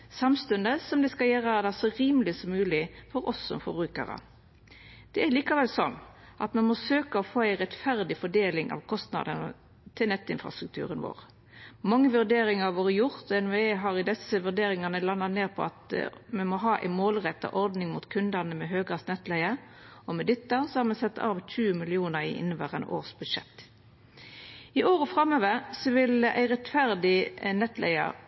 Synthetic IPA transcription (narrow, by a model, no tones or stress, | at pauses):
sɑmst̪ʉnd̪əsɔmd̪ɛskɑjeːɾɑd̪æsɔɾiːməlɪsɔmːʉːlɪfɔɾɔsːɔ̰mfɔɾbʁʉːkə̰ɾə̰ | d̪̥ɛæɾliːkɑʋɛlsɔnː | ʔɑt̪mɛnmɔsøːkəɔfoːæɪʁɛt̪fæʁd̪ɪfɔɖeːlɪŋʔɑ̰ʋkʰɔst̪nɑ̰d̪ənə̰ | t̪ʰɪlnɛt̪ːɪnfʁɑ̰st̪ʁʉk̚t̪ʰʉ̰ːɾənʋo̰ːʁ | mɑŋːəʋʉʁd̪eːɾɪŋɑʋoːɾəjʊʁt̪ɔɛneːɦɑʁɪd̪ɛsəʋʉʁd̪eːɾɪŋɑnəlɑnːɑtneːʁpʰɔ̰ɑt̪mɛmɔɦɑːʔæ̰ɪmoːlʁɛt̪ːɑ̰ʔɔʁd̪nɪŋmut̪kʰʉnd̪ɑnəmɛɦøːɡɑsnɛt̪læɪəɾ | ɔmɛd̪ɪt̪ːəsɔhɑːʁmɛnsɛt̪ːɑ̰ːʋʃʉːmɪlɪuːnəʁɪ̰ʔɪ̰nːəʋəʁɛ̰nʔo̰ːʁsbʉd̪ʂɛ̰t̪ː | ɪʔoːʁəfʁɑmøːʋəɾsɔʋɪlæ̰ɪʁɛt̪fæʁd̪ɪnɛt̪lʔæ̰ɪə̰ʁ